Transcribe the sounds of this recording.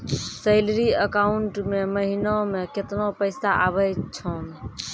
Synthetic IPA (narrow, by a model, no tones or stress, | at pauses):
səɪlɾiəkaːuɳʈmẽməɦinomẽkɪt̪nopəɪsaʔabəjt͡ʃʰoːn